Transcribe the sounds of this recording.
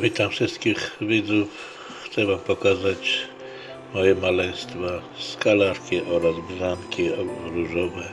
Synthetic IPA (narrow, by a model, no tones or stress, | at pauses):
vʲit̪amfʂɨst̪kʲixvʲid̪zuf | xt̪sɛvampɔkazat͡ɕ | mɔjɛmalɛj̃st̪fa | skalaɾkʲiʔɔɾazbzankʲiɔɾuʐɔvɛ